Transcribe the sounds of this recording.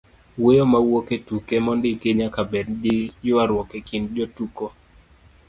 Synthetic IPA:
wejomawoketukemɔndɪkeɲakabɛddijʊwaɾwɔkekindd͡ʒotuko

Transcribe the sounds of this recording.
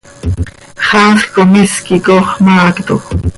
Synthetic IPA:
χɑχkomiskikoχmɑːkt̪o

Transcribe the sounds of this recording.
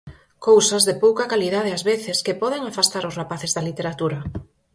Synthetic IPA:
kowsazðɪpowkɐkaliðað̞ɪazβeθɪskɪpɔð̞eŋafast̪aɾʊsrapaθezðɐlit̪eɾat̪uɾɐ

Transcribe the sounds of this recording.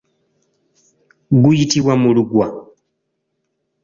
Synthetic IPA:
ɡujitiβwamuluɡwa

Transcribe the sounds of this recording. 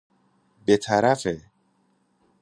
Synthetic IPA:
bet̪ʰaɾafe

